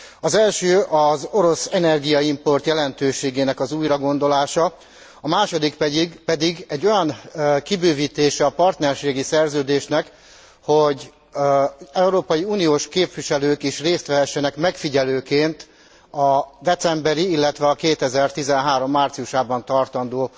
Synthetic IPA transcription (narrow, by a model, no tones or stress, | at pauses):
ɒzɛlʃøːʔɒzo̞ɾo̞sɛnɛrɡijɒimpo̞rt̪jɛlɛnt̪øːʃeːɡeːnɛkɒzuːjrɒɡo̞nd̪o̞laːʃɒ | ɒmaːʃo̞d̪ikpɛd̪iɡpɛd̪iɡɛɟːo̞jɒnkibøːviːt̪eːʃɛɒpɒrt̪nɛrʃeːɡisɛrzøːd̪eːʃnɛk | ho̞ɟ | ɛuɾoːpɒjiuːnijoːʃkeːpʋiʃɛløːkiʃreːst̪ʋɛɦɛʃːɛnɛkmɛkfiɟɛløːkeːnt̪ | ɒd̪ɛt̪sɛmbɛɾiilːɛt̪ʋɛɒkeːt̪ɛzɛrt̪izɛnɦaːɾo̞mːaːrt̪siuʃaːbɒnt̪ɒrt̪ɒnd̪oː